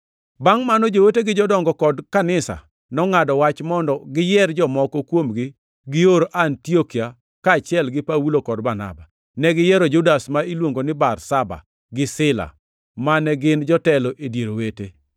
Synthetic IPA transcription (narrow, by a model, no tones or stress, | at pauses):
baŋmanɔd͡ʒoweteɡɪd͡ʒɔdɔŋɡɔkɔdkanɪsa̰ | nɔŋadɔwat͡ʃmɔndɔɡɪjɛrd͡ʒɔmɔkɔkwomɡɪ | ɡɪoɾoʔantiokia | kaːt͡ʃɪɛlɡɪpawulokɔdbana̰ba | nɛɡɪjɛɾod͡ʒʊdasmailwoŋɡonɪbarsaba̰ | ɡɪsɪla̰ | manɛɡɪnd͡ʒɔtɛloʔedjeɾowete